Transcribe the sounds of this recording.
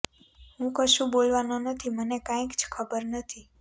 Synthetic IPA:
ɦũkəʃũbolʋanonət̪ʰimənekãĩkd͡ʒkʰəbəɾnət̪ʰi

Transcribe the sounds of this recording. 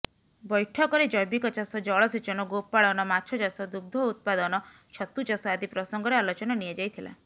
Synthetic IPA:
bɔjʈʰɔkɔɾed͡ʒɔjbikɔt͡ʃasɔd͡ʒɔɭɔset͡ʃɔnɔɡopaɭɔnɔmat͡ʃʰɔt͡ʃasɔd̪uɡ̚d̪ʱɔut̪̚pad̪ɔnɔ | t͡ʃʰɔt̪ut͡ʃasɔad̪ipɾɔsɔŋɡɔɾealɔt͡ʃɔnɔnied͡ʒajt̪ʰila̰

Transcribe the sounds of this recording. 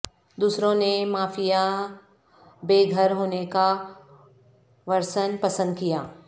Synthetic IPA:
d̪uːsɾõnemaːfija | beːɡʱəɾɦoːneka | ʋɐɾsənpɐsə̃nd̪̚kijaː

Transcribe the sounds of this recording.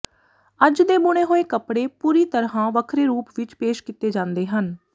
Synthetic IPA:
əd͡ʒd̪eːbʊɽ̃eːɦoːeːkəpɽeːpuːɾiːt̪əɾɦãːʋəkʰɾeːɾuːpʋɪt͡ʃpeːʃkit̪eːd͡ʒãːnd̪eːɦən

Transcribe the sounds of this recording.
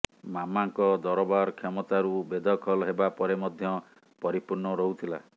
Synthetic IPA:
mamaŋkɔd̪ɔɾɔbaɾkʰɔmɔt̪aɾubed̪ʱɔkʰɔlɦebapɔɾemɔd̪ʱjɔ | pɔɾipuɾnɔɾɔɦut̪ʰila

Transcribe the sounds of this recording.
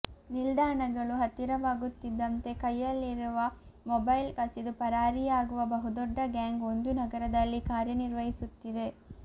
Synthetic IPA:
nild̪ʱaːɳɐɡɐɭuɦɐt̪ːiɾɐʋaːɡut̪ːid̪ːɐnt̪e̞kɐjːɐlːiɾuʋɐ | mɔbɐjlkɐsid̪upɐɾaːɾijaːɡuʋɐbɐɦud̪ɔɖːɐɡjaːŋɡo̞nd̪unɐɡɐɾɐd̪ɐlːikaːɾjɐniɾʋɐɦisut̪ːid̪e̞

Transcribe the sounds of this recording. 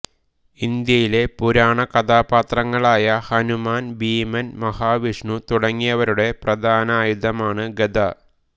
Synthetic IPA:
ind̪jɐjile̞puɾaːɳɐkɐd̪aːpaːt̪rɐŋːɐɭaːjɐhɐnumaːnbiːmɐnmɐhaːʋiʂɳut̪uɽɐŋːijɐʋɐɾuɽe̞prɐd̪ʱaːnɐaːjud̪ʱɐmaːɳɨɡed̪ɐ

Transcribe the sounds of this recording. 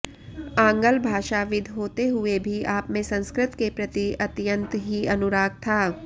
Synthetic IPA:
ãːŋɡəlbʱaːʃaʋɪd̪ʱɦoːt̪eɦʊebʱiaːpmẽsɐ̃nskɾɪt̪kepɾɐt̪iɐt̪jə̃nt̪ɦiɐnʊɾaːɡ̚t̪ʰaː

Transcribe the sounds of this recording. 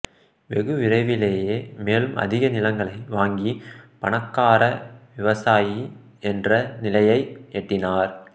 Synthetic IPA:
ʋɛɣɯʋɪrɐɪʋɪleːjeːmeːlɯmʔɐ̰ðɪɣɐnɪlɐŋɡɐɭɐɪʋaːŋɡipɐɳɐkːaːɾɐʋɪʋɐsaːji | ɛndrɐnɪlɐjɐɪɛʈːɪnaːɾ

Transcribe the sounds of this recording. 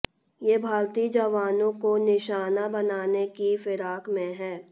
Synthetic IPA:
jeːbʱaːɾt̪id͡ʒɐʋaːnõkonɪʃaːnabɐnaːnekifɪɾaːkmẽɦɛː

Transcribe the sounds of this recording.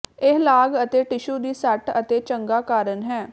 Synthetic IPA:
ɪɦlaːɡət̪eːʈɪʃuːd̪iːsəʈət̪eːt͡ʃəŋɡaːkaːɾənɦɛː

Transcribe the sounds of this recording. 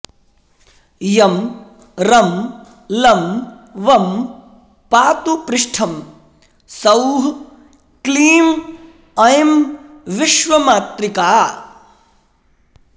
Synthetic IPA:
jɐm | ɾɐm | lɐm | ʋɐm | paːt̪upɾɪʂʈʰɐm | sɐwɦ | kliːm | ɐjmʋiʃʋɐmaːt̪ɾikaː

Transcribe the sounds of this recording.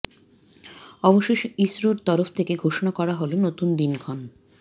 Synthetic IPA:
ɔboʃeʃisɾoɾt̪ɔɾofʰt̪ʰekeɡʱoʃonakɔɾaɦolonot̪und̪inɡʱɔn

